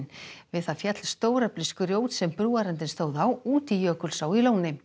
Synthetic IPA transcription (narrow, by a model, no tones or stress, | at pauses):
nvɪðθaðfjat̪l̥st̪oːwɾɛplɪskʏɾjoːwt̪sɛmpɾuːaɾɛnt̪̬ɪnst̪oːwðawuːt̪ijœːkʏlsawiloːwnɪ